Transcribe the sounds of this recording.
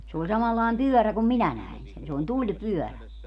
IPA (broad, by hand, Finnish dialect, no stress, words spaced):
se olʲ sɑmɑlːɑˑem pyøræ kum minæ næin sen se olʲ tulʲpyœˑræ